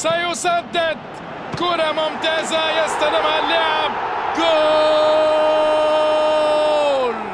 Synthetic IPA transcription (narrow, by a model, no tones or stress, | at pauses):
sajʊsad̪ːɪd̪̚ | kʊɾamʊmt̪aːzajɪst̪alɪmhalːʊʕɪb̚kʊ | l